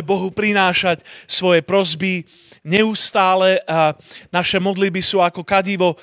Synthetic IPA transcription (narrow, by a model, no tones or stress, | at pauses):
bɔɦupɾinaːʃacsʋɔjɛpɾɔzbi | ɲɛuːst̪aːlɛ | naʃɛmɔd̪lid̪̚bisuːakɔkaɟiʋɔ